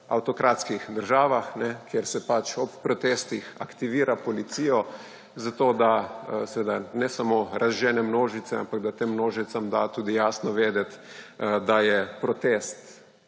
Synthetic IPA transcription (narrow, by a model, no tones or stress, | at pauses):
a̰wt̪ɔkɾaːt̪skixd̪əɾʒaːʋaxnɛkʰjeɾsɛpat͡ʃɔpːɾɔt̪eːst̪ixa̰kt̪iʋiːɾapɔlit̪sijɔ | zat̪od̪asɛʋed̪anɛsamoɾʔazʒɛːnɛmnoːʒit̪sɛa̰mpaɡd̪at̪emːnoːʒit̪samd̪at̪uːd̪ijaːsnɔʋeːd̪ɛt̪d̪ajɛpɾɔt̪eːst̪